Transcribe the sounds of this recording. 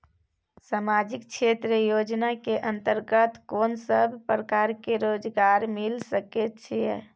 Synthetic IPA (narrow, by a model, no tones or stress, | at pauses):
samad͡ʒikt͡ʃʰet̪ɾəjod͡ʒnakeʔənt̪əɾɡət̪konsəbʱpɾəkaɾkeɾod͡ʒɡaɾmilsəket̪t͡ʃʰijɛ